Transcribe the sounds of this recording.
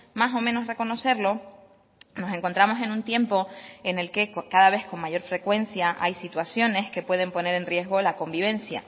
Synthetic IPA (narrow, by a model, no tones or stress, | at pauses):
maso̞mẽno̞sre̞ko̞no̞se̞ɾlo̞ | no̞se̞ŋko̞nt̪ɾamo̞se̞nũnt̪je̞mpo̞e̞ne̞lke̞kkaðaβ̞e̞sko̞ŋmaʝo̞ɾfɾe̞kwe̞nsjaʔa̰jsit̪wasjo̞ne̞ske̞pwe̞ðe̞mpo̞ne̞ɾe̞nrje̞zɣolako̞mbiβ̞ẽ̞nsja̰